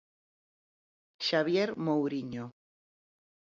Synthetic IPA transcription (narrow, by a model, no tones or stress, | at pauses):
ʃaβjeɾmowɾiɲo